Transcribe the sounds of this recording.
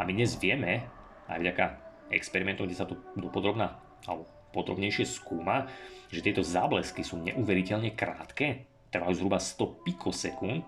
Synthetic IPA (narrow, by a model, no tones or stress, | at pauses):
a̰mid̪ɲɛzʋɪɛmɛ | a̰jvɟakaɛkspɛɾimɛnt̪ɔmŋɡɟɛsat̪ɔd̪ɔpɔd̪ɾɔbna | a̰lɛbɔ | pɔd̪ɾɔ̰bɲɛjʃɪɛskuːmaʒɛt̪ɪɛt̪ɔzaːblɛskisuːɲɛ̰ʔuːʋɛɾicɛʎɲɛkɾa̰ːt̪kɛː | t̪r̩ʋajuːzɦɾubast̪ɔpikʰɔsɛkunt̪̚